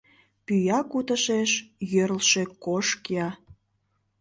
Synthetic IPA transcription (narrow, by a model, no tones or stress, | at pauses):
pyjɑkut̪əʃeʃjøɾlʃekoʃkjɑ